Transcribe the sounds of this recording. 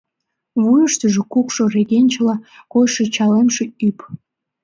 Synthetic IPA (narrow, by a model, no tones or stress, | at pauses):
βujəʃt̪əʒĕkukʃoreɣenʲt͡ɕlɑkojʃet͡ɕɑlemʃeyp